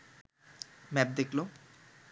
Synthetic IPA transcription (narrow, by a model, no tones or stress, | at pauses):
mɛp̚d̪ekʰlo